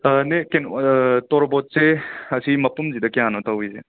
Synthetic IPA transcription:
nekentɔɾɔbot̚seɐsimɐpumzidɐkeanotawisḛ

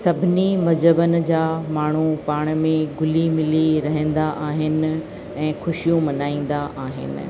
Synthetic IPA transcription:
sɐbʱɪnimɐd͡ʑəbənɪ̆d͡ʑaːmaːɳ̤upaːɽ̃mẽɡʊlimɪliɾɐɦə̃n̆d̪aʔaːɦɪnɪ̆ | ɛ̃ːxʊʃijũmɐnaːĩːn̆d̪aʔaːɦɪ̰nɪ̰̆

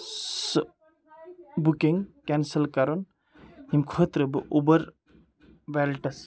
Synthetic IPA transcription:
s | bukiŋkensəlkɐɾon | himkʰoːt̪ɾɨbɨʔubɐɾ | ʋelʈɐs

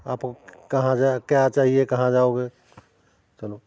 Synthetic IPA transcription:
aːpkkəɦãd͡ʒakjat͡ʃaːɦiekəɦãd͡ʒaoɡe | t͡ʃəlo

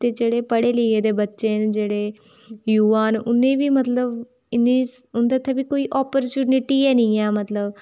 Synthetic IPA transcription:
t̪eːd͡ʒeːɽeːpəɽeːləieːd̪eːbətːʃeːnd͡ʒeːɽeː | juːaːnʊnːẽːʋiːmət̪ləb | ɪnːiːʊnd̪aːt̪ʰaːbiːkoːiːʔaːpəɾt͡ʃuːnɪʈiːɛːnɪ̃ːɛːmət̪ləb

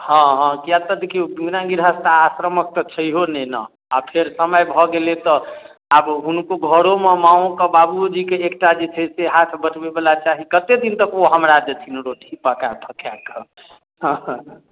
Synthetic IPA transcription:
hɔ̃ɦɔ̃kijat̪əd̪ekʰiobinãɡiɾɦəst̪aːsɾəmək̚t̪ɔt͡ʃʰəiɦonɛnə̰ | apʰeɾsəməjbʱɔɡelet̪ɔ | abɦunkoɡʱəɾomemãõkəbabud͡ʒikeekʈad͡ʒet͡ʃʰɛseɦat̪ʰbəʈbebalat͡ʃaɦikət̪ed̪int̪əkoɦəmɾad͡ʒət̪ʰinɾoʈʰipəkabʰʱəkʰjakə | ɦ

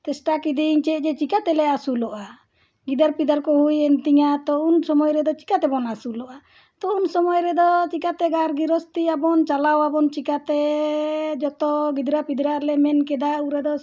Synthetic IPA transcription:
t̪ɛsʈakid̪iɲt͡ʃɛʔ̚ˀd͡ʒɛt͡ʃikat̪ɛlɛasulɔʔa | ɡid̪aɾpid̪aɾkɔhujɛnt̪iŋat̪ɔunsɔmɔjɾɛd̪ɔt͡ʃi̥kat̪ɛbɔnasulɔʔa | t̪ɔunsɔmɔjɾɛd̪ɔt͡ʃikat̪ɛɡaɾɡiɾɔst̪iabɔnt͡ʃalawabɔnt͡ʃikat̪ɛ | d͡ʒɔt̪ɔɡid̪ɾapid̪ɾalɛmɛnkɛd̪auɾɛd̪ɔ

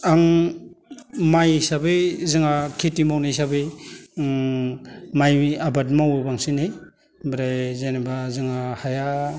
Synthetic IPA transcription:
aŋ | majsabɯjzɯŋakʰetimawnisabɯ | majabadmawubaŋsine | bɾajzajnabazɯŋahaja

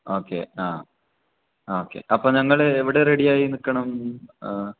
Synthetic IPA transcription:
o̞ːkːḛaː | oːkːḛʔɐpːoːɲɐŋːɐɭeeʋiɽe̞reɽijaːjinikːɐɳɐm

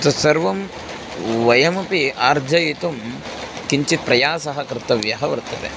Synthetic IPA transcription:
t̪ɐsɐɾʋɐm | ʋɐjɐmɐpiaːɾd͡ʒʱɐjit̪um | kiɲt͡ʃit̪̚pɾɐjaːsɐɦɐkɾɪt̪ɐʋjɐɦɐʋɐɾt̪ɐt̪ḛ

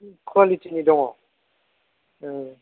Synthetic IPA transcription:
kʰwalitinidɔŋɔ

